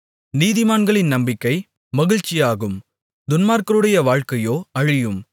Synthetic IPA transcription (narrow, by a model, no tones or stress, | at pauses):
niːðɪmaːnɡɐɭɪnnɐmbɪkːɐɪ | mɐɣɪɻt͡ʃːɪjaːɣɯm | d̪ʊnmaːɾkɐɾɯɽɐjɐʋaːɻkɐjoːɐɻɪjɯm